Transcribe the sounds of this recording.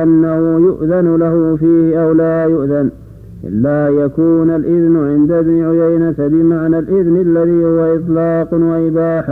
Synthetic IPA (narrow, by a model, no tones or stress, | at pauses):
ʔanːahʊjʊʔðanlahʊfiːhɪʔawlaːjʊʔðan | ʔɪ̰lːajakuːnalʔɪðnʕɪnd̪abniːʕʊjajnat̪abɪmaʕnalʔɪðnalːaðiːhʊwaʔɪt̪ˤlɑːqwaʔɪbaːħ